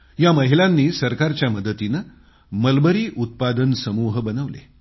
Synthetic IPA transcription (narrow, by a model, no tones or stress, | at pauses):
jaməɦilãnːiːsəɾkaɾt͡ɕjaməd̪ət̪inə | məlbəɾiːʔut̪̚pad̪ənsəmuɦbənəʋlḛ